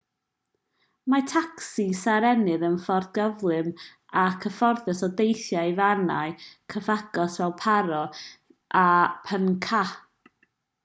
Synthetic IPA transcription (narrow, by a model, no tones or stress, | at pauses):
matʰaksisaɾɛnɨðənfɔrdɡəvlˠɨm | akʰəfɔrðɛsɔdejθjajvana̰ɨkʰəvaɡɔsvɛlˠpʰaɾɔ | ʔapʰənkʰa